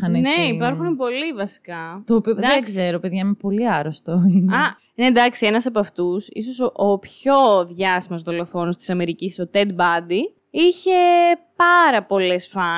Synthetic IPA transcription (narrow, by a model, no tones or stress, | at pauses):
ɐnneipɐɾxunepo̞livɐsi̥kɐt̪opid̪ðkseɾopeðʝɐimepo̞liɐɾost̪oinɐ | ned̪ɐksie̞nɐsɐpɐft̪usḭso̞soʔopço̞ðʝɐsimɐzðo̞lo̞fo̞nost̪isɐme̞ɾicisso̞t̪ed̪̚bɐd̪i | içe̞pɐɾɐpo̞le̞sfɐ